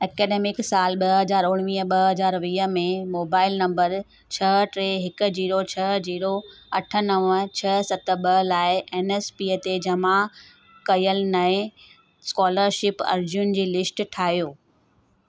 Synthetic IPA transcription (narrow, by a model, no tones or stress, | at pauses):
eːkeːɖeːmɪksaːlɓɐɦɐzaːɾʊɽ̃ʋiːəɓɐɦɐzaːɾʋiːɦə̆mẽmoːbaːɪlnɐ̃mbəɾ | t͡ɕʰɐʈɾeːɦɪkʊ̆d͡ʑiːɾot͡ɕʰɐd͡ʑiːɾoɐʈʰə̆nəʋət͡ɕʰɐsɐt̪əɓɐlaːɪʔeːneːspiːət̪ed͡ʑɐma | kɐjəlnɐɪ | skɔːləɾʃɪpɐ̰ɾd͡ʑʊnd͡ʑiːlɪsʈʈʰaːɦijoː